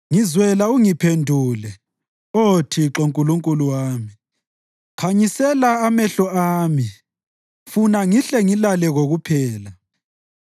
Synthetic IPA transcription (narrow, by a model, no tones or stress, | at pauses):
ŋizwɛlauŋipʰendʱuːlɛ | otʰiǁoŋkʼuluŋkʼuluwaːmi | kʰaɲisɛlaːmɛɬɔaːmi | funaŋiɬɛŋilalɛɣoɣupʰɛːla